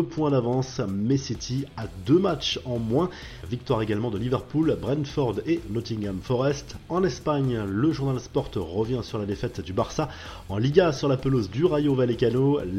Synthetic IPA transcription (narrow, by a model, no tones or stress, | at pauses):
əpwɛ̃d̪avɑ̃smesit̪ʰiad̪ømat͡ʃɑ̃mwɛ̃ | vik̚t̪waʁeɡalmɑ̃d̪əlivɛʁpulbʁɛnfɔʁd̪enɔt̪ĩŋɡamfɔʁɛst̪ɑ̃nɛspaɲləʒuʁnalspɔʁt̪ʁəvjɛ̃syʁlad̪efɛt̪d̪ybaʁsa | ɑ̃liɡasyʁlapəlozd̪yʁajovalekano